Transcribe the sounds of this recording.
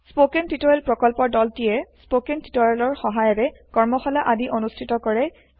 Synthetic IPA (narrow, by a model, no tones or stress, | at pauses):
spokentitɔɹɛlpɹɔkɔlpɔɹdɔltijɛspokentitɔɹɛlɔɹxɔɦajɔɹɛkɔɹmɔxɔlaʔadiʔonustʰitɔkɔɹɛ